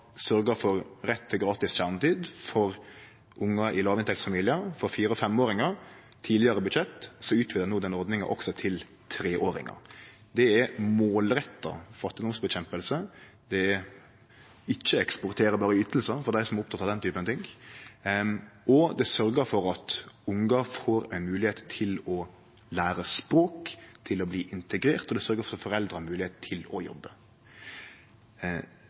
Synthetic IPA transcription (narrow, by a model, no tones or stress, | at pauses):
sœɾɡəɾfɔɾɾɛt̪ʰːɪlɡɾɑːt̪ɪsçæʁnət̪iːd̪fɔɾ | ʔʊŋːəʔɪlɑːʋɪnt̪ʰɛkt̪sfɑmiːlɪəfɔɾfiːɾɔfɛmoːɾɪŋɑɾ | t̪ʰiːlɪəɾəbʉt̪ɕɛt̪ːsɔʉːt̪ʰʋɪlənuːd̪ɛnːɔɾd̪nɪŋɑ̰ʔɔ̰ksɔt̪ʰɪl | t̪ʰɾeːʔoːɾɪ̰ŋɑ̰ | d̪ɛɛɾmoːlɾɛt̪ːɑ̰fɑt̪ːɪd̪ɔmsbɛɕɛmpəlsə | d̪ɛ | ɪçːəɛkspɔɾt̪ʰeːɾəbɑːɾəyːt̪l̩səfɔd̪æɪsɔmɛɾʊpt̪ʰɑt̪ːɑd̪ɛnt̪yːpənɑt̪ɪŋ | ɔd̪ɛsœɾɡəɾfɔɾɑt̪ʊŋɡɑfoːɾɛnmʉːlɪheːt̪t̪ʰɪlɔ | læːɾəspɾoːkt̪ʰɪlɔbliːʔɪnt̪əɡɾeːɾt̪ɔd̪ɛsœɾɡəɾfɔɾfɔɾɛld̪ɾəhɑɾmʉːlɪheːt̪t̪ʰɪlɔjɔ̰bːə